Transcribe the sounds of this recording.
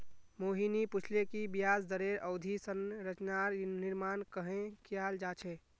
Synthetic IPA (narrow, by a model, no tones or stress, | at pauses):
moɦiniput͡ʃʰlekibijasd̪əɾeɾəʊd̪ʱisənɾət͡ʃnaɾniɾmankəɦẽkiald͡ʒat͡ʃʰɛ